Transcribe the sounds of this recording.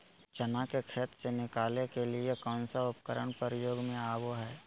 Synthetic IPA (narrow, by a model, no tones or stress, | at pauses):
t͡ʃənakekʰeːt̪ɾsenɪkaːlekeliekɔːnsaʊpkəɾəɳ̃pəɾjoːɡmẽaːʋoɦɛː